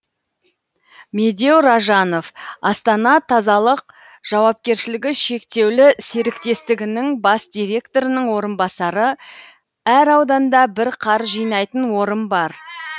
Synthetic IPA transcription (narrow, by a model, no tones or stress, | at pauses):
me̞d̪e̞wɾɑʒɑno̞fɑst̪ɑnɑt̪ʰɑzɑlˠəq̚ | ʒ̥ɑwɑp̚kʲe̞ɾʃɪlɪɡʲɪʃe̞kt̪e̞wlɪseɾɪkt̪e̞st̪ɪɡʲɪnɪŋbɑsd̪ʲijɾe̞kt̪o̞ɾɪnəɴwo̞ɾənbɑsɑɾə | æɾɑwd̪ɑnd̪ɑbɪɾqʰɑɾʒijnɑjt̪ənwo̞ɾənbɑɾ